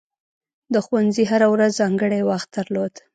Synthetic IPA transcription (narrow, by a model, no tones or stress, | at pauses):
d̪əxwanziɦaɾawɾazzɑŋɡəɽajwaxt̪̚d̪aɾlod̪